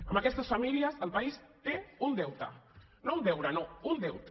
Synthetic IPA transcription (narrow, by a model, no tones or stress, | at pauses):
əmakɛst̪ɐsfamiliɐzəlˠpaist̪eund̪ɛwt̪ɐ̰ | nound̪ɛwɾɐnound̪ɛwt̪